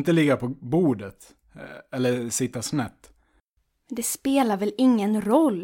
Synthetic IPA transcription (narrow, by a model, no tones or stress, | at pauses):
nt̪əlɪɡːapʰɔbuːd̪ət̪ | ɛlːəsɪt̪ːasnɛt̪ː | mɛnd̪ɛspeːlaɾvɛlɪŋːənɾɔlː